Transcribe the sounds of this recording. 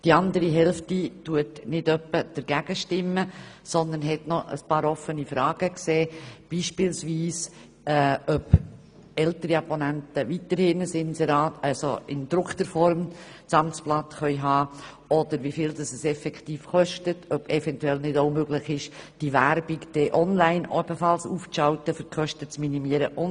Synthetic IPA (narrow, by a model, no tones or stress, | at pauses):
d̥iɑnd̪əɾiɦɛlftituətnɪdœpːəd̥əɾɡ̥æɡ̥əʃtɪmːə | sɔnd̪ənɦɛtnɔʔə̰spɑːɾɔfənifɾɑːɡ̥əkseːb̥iːʃpɪlsʋiːs | ɛœb | ɛltəɾiɑponæntəʋitəɾhɪnəsɪnsɛɾɑːtɑsoɪ̰ndɾʊkt̪əɾfɔɾm | t͡sɑmt͡splɑtχœʏɦɑː | ɔd̥̪əɾʋifɪːldɑsəsɛfɛkχtiːfχɔʃtətʰœbɛvɛntuɛlnɪdoʊmøɡlɪχɪʃd̥ivæɾb̥ɪkd̥ɛːʔɔnlæɪnɔb̥əfɑlsuːft͡sʃɑʊtəfʏɾkʰœʃtət͡sminimiːəɾəʔʊn